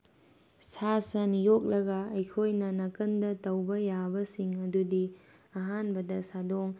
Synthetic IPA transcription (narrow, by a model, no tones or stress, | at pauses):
sasɐnijok̚lɐɡɐɐjkʰojnɐnɐkɐndɐtɐwbɐjabɐsiŋɐdudi | ɐɦanbɐdɐsadoŋ